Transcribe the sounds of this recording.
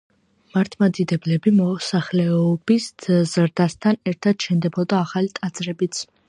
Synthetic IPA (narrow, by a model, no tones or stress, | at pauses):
maɾt̪ʰmad̪id̪ɛblɛbimɔsaχlɛɔbiszɾd̪ast̪ʰanɛɾt̪ʰad̪̥ʃɛnd̪ɛbɔd̪aːχalit̪ʼad̪z̥ɾɛbit̪sʰ